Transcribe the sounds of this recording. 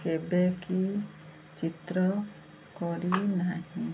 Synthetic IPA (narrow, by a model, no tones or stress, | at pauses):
kebeki | t͡ʃit̪ɾɔ | kɔɾinaɦĩ